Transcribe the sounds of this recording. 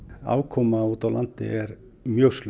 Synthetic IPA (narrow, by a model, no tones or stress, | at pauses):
a̰ːwkʰɔmauːt̪awlant̪ɪ̰ʔɛɾ | mjœst̪l